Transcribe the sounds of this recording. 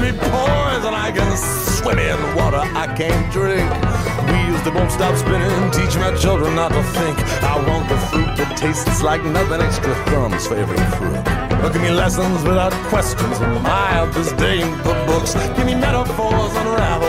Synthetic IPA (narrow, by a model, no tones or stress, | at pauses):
mipʰɔɪɪzə̃naɪɡɛɾswɪ̃ɾɪ̃ŋɨ̃nðəwɔɾə˞ʔaɪkʰæ̃ɪ̃ndɹɪ̃ŋk | wijʉstɨboʊstɑpskɹɪ̃ɾɪ̃ŋɨ̃ntʰit͡ʃɪ̃maɪt͡ʃʰɪlˠdɹə̃nːətəθɪ̃ŋk | aɪwɑ̃nðəfɹʉt̚ɨtʰeɪstslaɪk̚nʌθɪ̃nɛkstɹəkʌ̃mz̥fəɛvə̰˞fɹʉ̰t̚ʊkɨ̃nmilɛsə̃nzwɨðaʊəkʰw̥ɛst͡ʃɨ̃nzə̃naɪəd͡ʒʌsd̥eɪɪ̃nbʊbʊksɡ̥ɪmimɛɾəfɔɹzə̃nə˞aɾ̩